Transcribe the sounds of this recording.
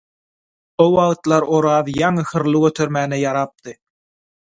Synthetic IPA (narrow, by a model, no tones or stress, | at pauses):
owɑɣt̪lˠɑɾo̞ɾɑːðjɑŋɯxɯɾlˠɯɡøt̪ʰøɾmæːnejɑɾɑp̚t̪ɯ